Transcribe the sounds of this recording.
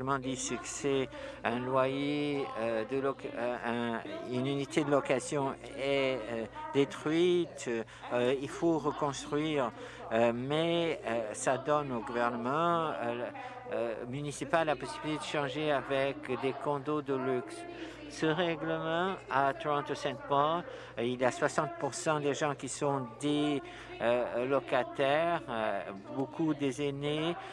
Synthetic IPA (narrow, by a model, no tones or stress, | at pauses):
ləmɑ̃d̪isyksɛɛ̃lwaje | d̪əlɔkɛ̃ynynit̪ed̪əlɔkazjɔ̃ | ɛ | d̪et̪χɥit̪ | ilfoʁəkɔ̃st̪χɥiʁ | mɛ | sad̪ɔnoɡuvɛʁnəmɑ̃ | mynisipalapɔsibilit̪ed̪əʃɑ̃ʒeavɛkd̪ekɔ̃d̪od̪əlyks | səʁɛɡləmɑ̃at̪ʁɑ̃t̪osɛ̃nt̪pɔ | iljaswasɑ̃t̪̚puʁsɑ̃d̪eʒɑ̃kʲisɔ̃d̪e | lɔkat̪ɛʁ | bokʰud̪ezene